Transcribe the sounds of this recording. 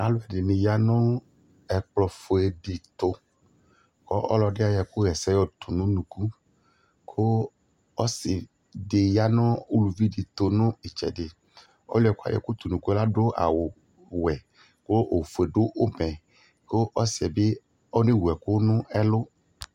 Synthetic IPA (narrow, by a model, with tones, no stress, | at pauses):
a˨˦lʊ˦ɛ˨dɪ˨nɪ̃˨ja˦nɔ̃˦ | ɛ˨k͡plɔ˨fo˨ɛ˨ɖi˨t̪o˨ | kɔ˦ʔɔ̰˦lɔ˨ɖɪ˦a˨jɛ˨kʊ˦ɣɛ˨sɛ˦jɔ˦t̪ʰu˨nũ˦nũ˨ku˦ | kʰo˦ | ɔ˦sɪ˨ | dɪ˨ja˦nɔ̃˦u˦lu˨vi˦di˨t̪o˨nʊ̃˦e˨t͡ʃɛ̰˨dɪ˨ | ɔ̰˦lʊ˦ɛ˨ka̰˨jɛ̰˨kʊ˦t̪u˨nũ˨ku˦ɛ˦la˦ɖʊ˦a̰˨wʊ˨ | wɛ˨ | ko˦ʔo˨fo˨e˨ɖʊ˦ʔo˦mɛ̃˨ | ko˦ʔɔ˦sɪ˨ɛ˨bɪ˦ | ɔ˦nẽ˦˨wu˨ɛ˨kʊ˦nʊ̃˦ɛ˦lʊ˦